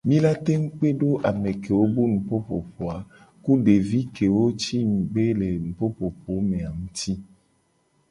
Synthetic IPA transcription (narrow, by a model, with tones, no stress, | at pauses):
mĩ˦la˦t̪e˦ŋ̩˦k͡pe˦ɖo˦ʔa˨me˨ke˨wo˦bu˦nũ˨po˦po˨po˨a˨ | ku˦ɖe˨vi˦ke˨wo˦t͡ʃi˦ŋ̩˨ɡ͡be˦le˨nũ˨po˦po˨po˨˦mẽ˨a˨ŋũ˦t̪i˦